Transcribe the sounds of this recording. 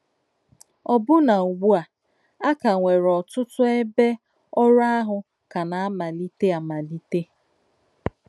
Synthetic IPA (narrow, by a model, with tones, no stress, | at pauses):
ɔ˨bʊ˦na˨u˨ɡ͡bu˦a˨ | a˦ka˨ŋʷe˨ɾɔ˨tʊ˦tʊ˦e˦be˦ | ɔ˦ɾa˦ɦʊ˨ | ka˨na˨a˦ma˨li˦te˦a˨ma˨li˦te˦